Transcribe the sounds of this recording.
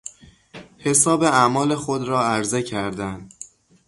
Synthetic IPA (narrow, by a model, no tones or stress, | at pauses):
he̞sɒːbe̞æmɒːle̞xod̪ɾɒːæɾze̞cʰæɾd̪ænd̪